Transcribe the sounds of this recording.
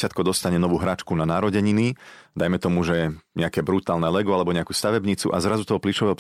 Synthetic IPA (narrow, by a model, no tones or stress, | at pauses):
ɪat̪kɔd̪ɔst̪aɲɛnɔʋuːɦɾaːt͡ʃkunanaːɾɔɟɛɲinid̪ajmɛt̪ɔmuʒɛɛɲɛakɛːbɾut̪aːlnɛlɛɡɔalɛbɔɲɛakuːst̪aʋɛbɲit͡sṵʔazɾazut̪ɔɦɔpliʃɔʋɛɦɔ